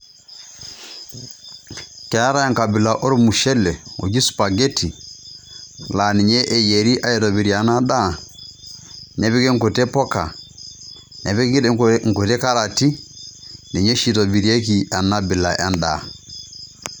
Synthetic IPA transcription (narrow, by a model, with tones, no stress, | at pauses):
kɛ˨ɾa˦ɾa˦ja˦ŋka˨bi˨la˨ʔo˦ɾu˦mu˨ʃɛ˦lɛ˨o̰˨d͡ʒi˦su̥˨pa˨ɡɛ˦tʰi˨ | la˨ni˨ɲɛ˦ʔɛ˨jɛ˨ɾi˦ʔa˦jɛ˨tɔ˨bi˨ɾi˨a˨na˦da˦˨ | nɛ˨βi˦kɛ˦ŋ̩ko˨tɛ˦pɔ˦ka̰˨ | nɛ˨βi˦ɡi˦ŋ̩ko˨tɛ˦ka˦ɾa˨ti˦ | ni˨ɲɛ˦ʃi˦˨tɔ˨bi˨ɾi˦e˦ki˨a˨na˦bi˨la̰˨ʔa̰˦nda̰˨